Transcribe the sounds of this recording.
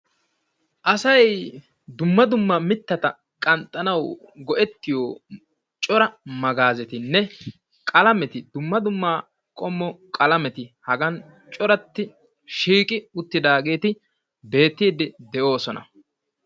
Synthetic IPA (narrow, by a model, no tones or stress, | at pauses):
ʔɐsɐj | d̪ʊmːɐd̪ʊmːɐmɪt̪ːɐt̪ɐ | kʼɐnt̪ʼːɐnɐw | ɡɔʔɛt̪ːɪjoː | t͡ʃʼɔɾɐmɐɡaːzɛt̪ɪnːɛ | kʼɐlɐmɛt̪ɪd̪ʊmːɐd̪ʊmːaː | kʼɔmːɔkʼɐlɐmɛt̪ɪhɐɡɐn | t͡ʃʼɔɾɐt̪ːɪ | ʃiːkʼɪʊt̪ːɪd̪aːɡe̞ːt̪ɪ | be̞ːt̪ːiːd̪ɪd̪ɛʔo̞ːsɔnɐ̰